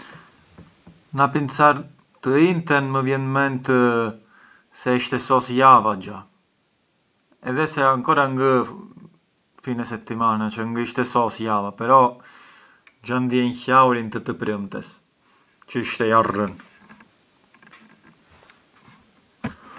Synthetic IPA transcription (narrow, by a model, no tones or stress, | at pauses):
napinsaɾ | t̪əint̪ɛnməvjɛnmɛnt̪ə | sɛiʃt̪ɛsɔsjavad͡ʒa | ɛðɛsɛaŋkɔɾaŋɡə | finɛsɛt̪ːimanat͡ʃəŋɡəiʃt̪ɛsɔsjavapɛɾɔ | d͡ʒand̪jɛnçawɾint̪ət̪əpɾəmt̪ɛs | t͡ɕəəʃt̪ɛarən